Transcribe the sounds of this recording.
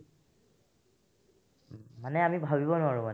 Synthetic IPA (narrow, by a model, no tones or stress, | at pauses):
manɛamibʱabibɔnʊaɹuman